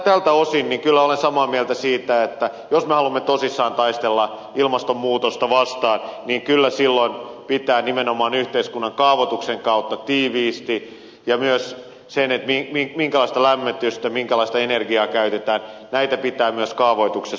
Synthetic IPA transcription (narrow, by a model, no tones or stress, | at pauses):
t̪æːlt̪æosinniŋkylːæolensɑmɑːmielt̪æsiːt̪æet̪ːæ | josmehɑlumːet̪osisːɑːnt̪ɑist̪elːɑ | ilmɑst̪ommuːt̪ost̪ɑʋɑst̪ɑːnniːŋkylːæsilːonpit̪æːnimenomɑːnyht̪eiskunːɑŋkɑːʋot̪ukseŋkɑut̪ːɑt̪iːʋiːst̪i | jɑmyøs | senet̪mimimiŋkælɑˑist̪ɑlæmːet̪yst̪æmiŋkælɑist̪ɑenerɡiɑːkæyt̪et̪æːnnæit̪æpit̪æːmyøskɑːʋoit̪ukses